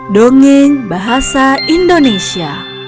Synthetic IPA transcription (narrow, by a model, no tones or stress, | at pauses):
doŋeɲbaɦasaindonesia